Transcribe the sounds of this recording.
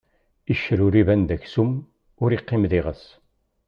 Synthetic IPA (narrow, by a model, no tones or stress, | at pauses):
iʃːɾuɾivænd̪æçsum | ʊɾiqːɪmðiʁəs